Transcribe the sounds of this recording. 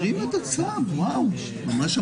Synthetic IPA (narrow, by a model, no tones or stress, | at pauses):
imet̪at͡sadwaw | mamaʃa